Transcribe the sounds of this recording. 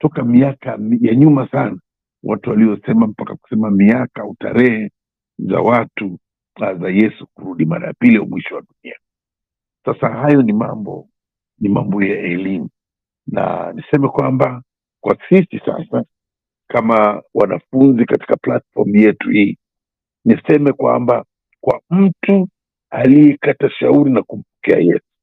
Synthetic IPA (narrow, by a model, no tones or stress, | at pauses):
tɔkamiakamjaɲumasana | wʔatuwaliɔsɛmam̩pakaku̥sɛmamiakauta̰ɾɛhɛ | za̰watu | zajɛsukuɾuɗima̰ɾa̰ja̰piliɔ̰mwiʃɔwaɗunia | sasahajɔnimambɔ̰ | nimambɔjaɛlimu | na̰nisɛmɛkwamba | kwasisisa̰sa | kamawanafunzikati̥kaplatfɔɾm̩jɛtuhiː | nisɛmɛkwa̰mba | kwa̰m̩tu | alijɛkataʃauɾinakum̩pɔ̥kɛa̰jɛsu̥